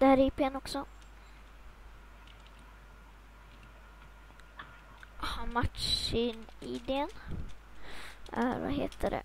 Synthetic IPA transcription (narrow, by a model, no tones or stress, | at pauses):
d̪̥ɛhæːɾipeɛnɔksɔ | hɑmat̪ʂɪnɪd̪eən | æɾva̰ɦeːt̪ʰəɖɛ̰